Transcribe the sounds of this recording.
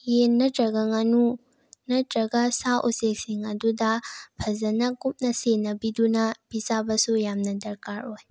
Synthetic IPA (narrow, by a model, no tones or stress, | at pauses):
jenːɐtɾɐɡɐŋɐnu | nɐtɾɐɡɐsaʔusek̚siŋɐdudɐbʰʱɐzɐnɐkum̚nɐsenːɐbidunɐb̥izabɐsujamnɐdɐɾkaɾoj